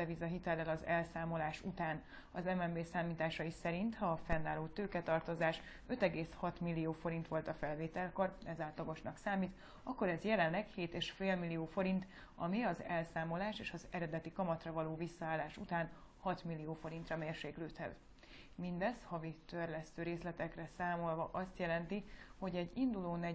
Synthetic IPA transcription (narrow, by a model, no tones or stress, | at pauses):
ɛvizɒɦit̪ɛlːɛlɒzɛlsaːmo̞laːʃut̪aːn | ɒzɛmɛmbeːsaːmiːt̪aːʃɒisɛɾint̪hɒfɛnːaːloːt̪øːkɛt̪ɒrt̪o̞zaːʃ | ø̞t̪ɛɡeːshɒt̪milːioːfo̞ɾint̪ʋo̞lt̪ɒfɛlveːt̪ɛlko̞rɛzaːlt̪lɒɡo̞ʃnɒksaːmiːt̪ | ɒkːo̞ɾɛzjɛlɛnlɛkheːt̪eːʃfeːlmilːioːfo̞ɾint̪ | ɒmiɒzɛlsaːmo̞laːʃeːʃɒzɛɾɛd̪ɛt̪ikɒmɒt̪rɒvɒloːvisːɒaːlːaːʃut̪aːn | hɒt̪milːijoːfo̞ɾint̪rɒmeːrʃeːkløːt̪hɛ̰z | mind̪ɛshɒvit̪ørlɛst̪øːɾeːslɛt̪ɛkrɛsaːmo̞lvɒʔɒst̪jɛlɛnt̪iho̞ɟɛɟːind̪uloːnɛ